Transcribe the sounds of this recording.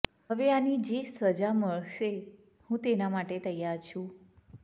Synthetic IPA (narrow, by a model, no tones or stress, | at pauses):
ɦəʋeanid͡ʒesəd͡ʒaməɭʃe | hũt̪enamaʈet̪əjaɾt͡ʃʰũ